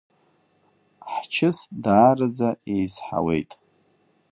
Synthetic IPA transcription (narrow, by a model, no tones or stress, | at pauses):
ħt͡ʃʰɪsdaːrɨd͡zaejzħa̰wḛjtʼ